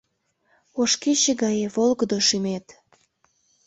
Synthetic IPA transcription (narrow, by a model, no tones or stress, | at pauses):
oʃkeɕeɡɑjeβolɣəd̪oʃymet̪